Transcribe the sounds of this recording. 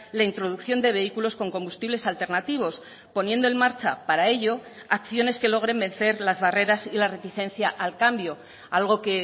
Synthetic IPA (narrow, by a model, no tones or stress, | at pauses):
laint̪ɾo̞ð̞ukθjo̞nd̪e̞β̞e̞ikulo̞sko̞ŋko̞mbust̪iβle̞salt̪e̞ɾnat̪iβ̞o̞s | po̞nje̞nd̪o̞e̞nmaɾt͡ʃa̰paɾae̞ʎo̞ | akθjo̞ne̞ske̞lo̞ɣ̞ɾe̞mbe̞n̟θe̞ɾlazβare̞ɾasilare̞t̪iθe̞nθjaʔalkambjo̞ | alɣ̞o̞ke̞